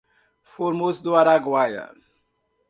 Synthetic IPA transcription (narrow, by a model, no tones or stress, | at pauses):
foɾmosd̪uaɾaɡwaja̰